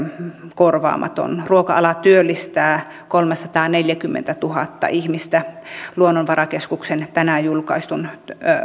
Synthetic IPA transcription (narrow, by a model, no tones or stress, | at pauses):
korʋɑ̰ːmʔɑ̰t̪o̰nruokɑɑlɑt̪yølːist̪æː | kolmesɑt̪ɑːneljækymːḛnt̪æt̪uhɑ̰t̪ːɑ̰ʔihmist̪æluonːonʋɑrɑkeskuksent̪ænæjulkɑ̰ist̪un